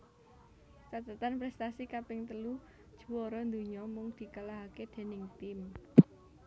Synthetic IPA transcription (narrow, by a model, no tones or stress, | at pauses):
t͡ʃat̪ət̪anpɾɛst̪asikapɪŋt̪əlu | d̥ʒ̥ṳwɔɾɔnd̪uɲɔmʊŋd̪̥i̤kalaɦaked̪̥e̤nɪŋt̪ɪm